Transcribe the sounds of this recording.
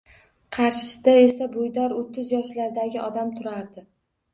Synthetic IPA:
qʰɑɾʃɪ̥sɪd̪ae̞sabojd̪ɒɾot̪ʰːɪzjɒʃlaɾd̪aɡʲɪʔɒd̪amt̪ʰʊɾaɾd̪ɪ

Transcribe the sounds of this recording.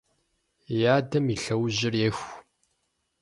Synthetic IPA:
jaːdɐmiɬɐwʑɪrjɛxʷ

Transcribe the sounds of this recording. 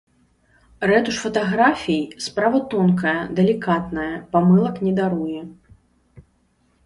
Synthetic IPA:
rɛt̪uʂfɐt̪aɣɾafʲijspɾavɐt̪ɔnkɐjɐd̪ɛlʲikat̪nɐjɐpamɨlˠɐknʲɛd̪aɾujɛ

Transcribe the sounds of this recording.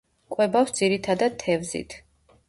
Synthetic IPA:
kʼwɛbafsd̪ziɾit̪ʰad̪ad̪̚t̪ʰːɛvzḭt̪ʰ

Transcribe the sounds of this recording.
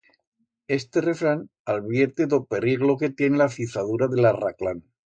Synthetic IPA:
e̞st̪ere̞fɾan | alβjeɾt̪eðope̞ɾiɣloke̞t̪je̞nelafiθaðuɾaðelaraklan

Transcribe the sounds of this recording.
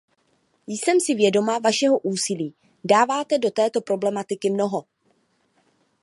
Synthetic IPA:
jsɛmsɪvjɛdo̞mavaʃɛɦo̞ʔuːsɪliː | daːvaːt̪ɛdo̞t̪ɛːt̪o̞pɾo̞blɛmat̪ɪkɪmno̞ɦo̞

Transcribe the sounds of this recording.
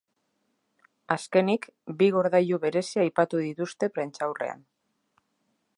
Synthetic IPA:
aske̞nikbiɣo̞ɾðaʎuβe̞ɾe̞siajpat̪uðit̪ust̪e̞pɾe̞nt͡ʃawre̞̰a̰n

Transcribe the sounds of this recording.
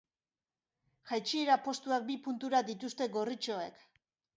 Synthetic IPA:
ʝajt͡ʃieɾapo̞st̪uak̚bipunt̪uɾad̪it̪ust̪e̞ɡo̞rit͡ʃo̞e̞̰k

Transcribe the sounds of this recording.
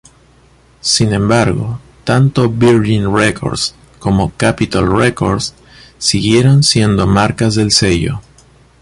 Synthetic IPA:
sinẽ̞mbaɾɣo̞̰ | t̪ant̪o̞biɾʝinrekʰo̞̰ɾd̪s | ko̞mo̞kapit̪alreko̞ɾds | siɣje̞ɾo̞nsje̞nd̪o̞maɾkazðe̞lse̞ʝo̞̰

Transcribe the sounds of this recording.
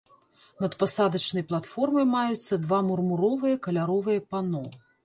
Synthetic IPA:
nɐt̪pasad̪ɐt͡ʂnɐjplˠat̪fɔrmɐjmajut̪sːɐd̪vamurmuɾɔvɨjɐkɐlʲaɾɔvɨjɐpanɔ

